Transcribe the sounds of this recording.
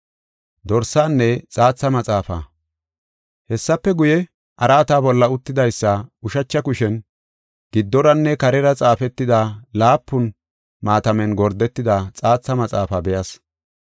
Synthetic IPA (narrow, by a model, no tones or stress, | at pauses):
d̪ɔɾsaːnːɛt͡sʼaːt͡sːɐmɐt͡sʼaːfɐ̰ː | hɛsːɐpːɛɡʊjɛ | ʔɐɾaːt̪aːbɔlːɐʊt̪ːɪd̪ɐjsːɐʊʃɐt͡ʃːɐkʊʃɛn | ɡ̥ɪd̪ːɔɾɐnːɛkɐɾɛɾɐt͡sʼaːfɛt̪ːɪd̪alaːpːʊn | maːt̪ɐmɛnɡɔɾd̪ɛt̪ːɪd̪at͡sʼaːt͡sːɐmɐt͡sʼaːfaːbɛjɐs